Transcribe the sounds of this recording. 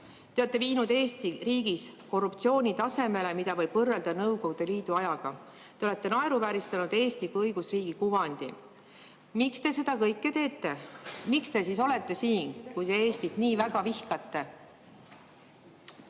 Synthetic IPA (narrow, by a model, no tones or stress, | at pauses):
t̪eot̪ːe̞viːnud̪e̞ːst̪iriːɡ̥isko̞rupt̪sio̞ːnʲit̪ɑse̞me̞le̞mid̪̥ɑvɤjb̥vɤrːeld̪̥ɑnɤwko̞ɡud̪̥e̞liːd̪uɑjɑɡ̥ɑ | t̪e̞ole̞t̪ːˑe̞nɑeɾuvæɾist̪ɑnud̪̥e̞ːst̪ikujɤjɡ̥usriːɡ̥ikuvɑnd̪̥i | mikst̪e̞se̞d̪̥ɑkɤjkːˑet̪e̞ːt̪ːˑe̞mikst̪e̞siso̞le̞t̪ːe̞siːnkujt̪e̞eːst̪it̪niːvæɡ̥ɑvihkɑt̪ːe̞